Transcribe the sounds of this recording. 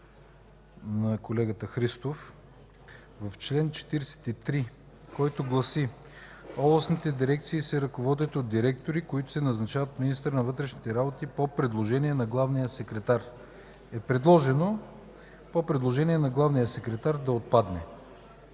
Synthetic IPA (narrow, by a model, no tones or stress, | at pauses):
nɐkolɛɡət̪əxɾist̪of | vɐft͡ʃlɛnt͡ʃɛ̥t̪iɾɛsɛ̥t̪it̪ɾi | kɔjt̪oɡlˠɐsi | ɔblˠɐsnit̪ɛd̪iɾɛk̚t̪siːsɛɾɐkovɔd̪ɛt̪od̪d̪iɾɛk̚t̪oɾikoit̪ʊ̥sɛnɐznɐt͡ʃavət̪minist̪əɾnɐvɤt̪ɾɛʃnit̪ɛɾabot̪ipopɾɛd̪lˠoʒɛniɛnɐɡlˠavnijəsɛkɾɛt̪aɾ | ɛpɾɛd̪lˠɔʒɛno | popɾɛd̪lˠoʒɛniɛnɐɡlˠavnijəsɛkɾɛt̪aɾd̪ɐot̪̚pad̪nɛ